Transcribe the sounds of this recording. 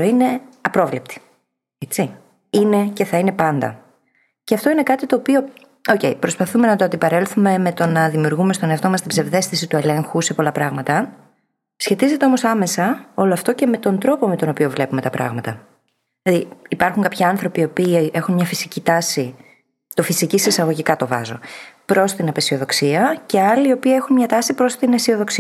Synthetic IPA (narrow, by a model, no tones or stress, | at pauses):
oine̞ɐpɾo̞vlep̚t̪i̥ | et͡si | ine̞ce̞θɐine̞pɐnd̪ɐ̰ | ceɐft̪o̞ine̞kɐt̪it̪o̞ːpio̞ | oce̞ipɾo̞spɐθume̞nɐt̪oɐnd̪ipɐɾe̞lθume̞me̞t̪o̞nɐðimiuɾɣume̞st̪o̞neɐft̪omɐst̪ibze̞vðe̞sθisit̪ue̞le̞ŋxuse̞po̞lɐpɾɐɣmɐt̪ɐ | sçe̞t̪ize̞t̪e̞o̞mo̞sɐme̞sɐo̞lo̞ɐft̪o̞ceme̞t̪o̞nd̪ɾo̞po̞met̪o̞no̞pio̞vle̞pume̞t̪ɐpɾɐ̰ɣmɐt̪ɐ | ilɐðiːpɐɾxuŋkɐpçɐɐnθɾo̞pio̞piːʔe̞xunmɲɐfisicit̪ɐsi | t̪o̞fisicisesɐɣo̞ʝikɐt̪o̞vɐ̰zo̞̰pɾo̞st̪inɐpesio̞ðo̞ksiɐce̞ɐliːo̞piɐe̞xunmɲɐt̪ɐsipɾo̞st̪inesio̞ðo̞ksiɐ